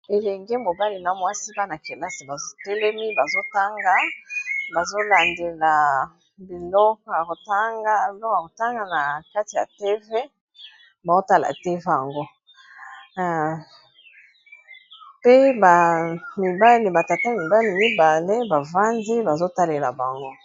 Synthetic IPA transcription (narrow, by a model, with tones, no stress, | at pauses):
e˨lɛ˨ŋɡɛ˦mo˨ba˦li˨na˨mwa˦si˦ba˦na˨ke˨la˦si˨ba˨zo˦te˦le˦mi˦ba˨zo˦ta˦ŋɡa˦ba˨zo˦la˨nde˨la˨ | bi˨lɔ˦kɔ˨ja˨ko˨ta˦ŋɡa˦˨lɔ˦ka˨ko˨ta˦ŋɡa˨na˨ka˦ti˨ja̰˨te˦ve˦ | ba˨o˦ta˦la̰˨te˦ve˦ja˨ŋɡo˦˨ | pe˦ba˨mi˨ba˦li˨ba˨ta˨ta˦mi˨ba˦li˨mi˦ba˨le˦ba˨va˦ndi˦ba˨zo˦ta˦le˨la˨ba˨ŋɡo˦